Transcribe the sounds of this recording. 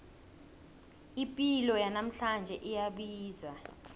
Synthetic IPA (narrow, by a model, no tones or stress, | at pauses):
ipʼilɔjanam̩ɬand͡ʒʱɛʔijaɓiːza